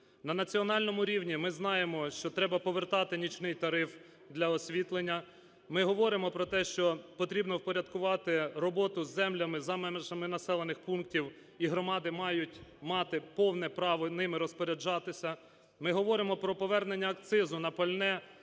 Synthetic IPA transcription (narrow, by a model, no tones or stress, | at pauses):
nɐnɐt͡sʲiɔnɑlʲnɔmʊɾʲiwnʲimɪznɑjemɔʃt͡ʃɔt̪ɾɛbɐpɔʋert̪ɑt̪ɪnʲit͡ʃnɪjt̪ɐɾɪf | d̪lʲɐɔsʲʋʲit̪lˠenʲːɐ | mɪɦɔʋɔɾɪmɔpɾɔt̪ɛʃt͡ʃɔpɔt̪ɾʲibnɔwpɔɾʲɐd̪kʊʋɑt̪ɪrɔbɔt̪ʊzːɛmlʲɐmɪzɑmɛmeʒɐmɪnɐsɛlˠenɪxpunk̚tʲiw | iɦɾɔmɑd̪ɪmɑjʊtʲmɑt̪ɪpɔwnɛpɾɑʋɔnɪmɪɾɔspɔɾʲed͡ʒɑt̪ɪsʲɐ | mɪɦɔʋɔɾɪmɔpɾɔpɔʋɛrnenʲːɐːk̚t̪sɪzʊnɐpɐlʲnɛ